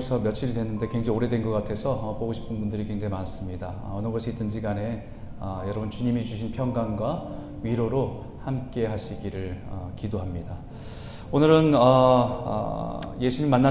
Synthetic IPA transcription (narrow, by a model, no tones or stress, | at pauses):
sʰʌmjʌt͡ɕʰiɾidwe̞nːɯnde̞kweŋd͡ʑeŋoɾe̞dwe̞nɡʌk͈atʰe̞sʰʌʌpoɡoɕʰi̥pʰɯnbundɯɾikeŋd͡ʑeimanas͈ɯmɲidaʌnɯɡʌsʰeit͈ɯnd͡ʑiɡane̞ | ʌjʌɾʌbunt͡ɕuɲimit͡ɕuɕʰinpʰjʌŋɡanɡwa | miɾoɾo | hamk͈e̞ɦaɕʰiɡiɾɯɭʌkidoɦamɲida | onɯɾɯnʌʌ̰je̞sʰuɲimːanːa